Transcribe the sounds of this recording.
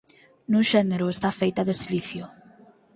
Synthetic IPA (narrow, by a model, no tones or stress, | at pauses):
nuʃɛneɾʊest̪afejt̪aðesiliθjo